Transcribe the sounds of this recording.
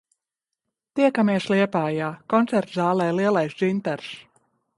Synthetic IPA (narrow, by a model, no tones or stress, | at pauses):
t̪iɛkamɛːsliɛpaːjaːkɔnt̪sɛɾt̪zaːlˠɛːliɛlajsd͡ʒint̪ɛɾs